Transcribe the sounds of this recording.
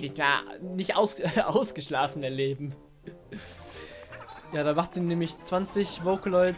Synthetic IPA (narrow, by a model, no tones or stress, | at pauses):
dɪçja̰ːnɪçtʔaʊsʔaʊsɡ̥əʃlaːfn̩ɛɐleːbm̩ | jaːdaːmaχtiːnɛːmɪçt͡sv̥ant͡sɪçvoːklɔʏ